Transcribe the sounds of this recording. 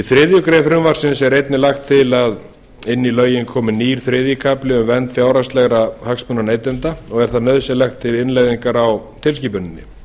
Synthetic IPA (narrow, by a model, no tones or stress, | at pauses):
iθɾɪːðjʏkɾɛːfɾʏmvar̥sɪnsɛɾejt̪nɪlaxt̪ʰːɪlað | ɪnːilœːɥjɪnkʰɔːmʏniːɾ̥θɾɪːðjʏkʰaplɪʏmvɛnt̪fjaːwɾast̪lɛɣɾahakspʏnːaneːjt̪ɛnt̪aɔɣɛɾ̥θaðnœðsɛlɛxt̪ʰːɪlɪnlajðiŋkaɾawt̪ʰɪl̬ciːpʏnːɪnːɪ̰